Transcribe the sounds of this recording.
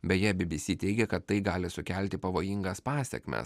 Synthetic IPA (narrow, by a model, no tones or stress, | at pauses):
bʲɛtjæːbʲɪbʲɪsʲiːt̪ʲɛɪɡʲɛkɐt̪ːɐɪɡɑːlʲɪsʊkʲɛlʲt̪ʲɪpɐʋoːjɪŋɡɐspɑːsʲɛ̰kʲmʲɛ̰s